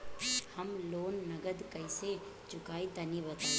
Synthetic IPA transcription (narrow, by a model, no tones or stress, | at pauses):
hɐmloːnːɐɡəd̪kɐise | t͡ʃʊkaːit̪ɐnibɐt̪a